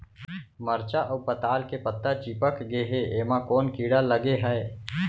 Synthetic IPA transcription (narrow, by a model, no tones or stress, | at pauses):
məɾt͡ʃaʔəwpət̪aːlkepət̪ːat͡ʃiːpəkɡeɦeeːmãkɔːnkiːɽaləɡeɦɛe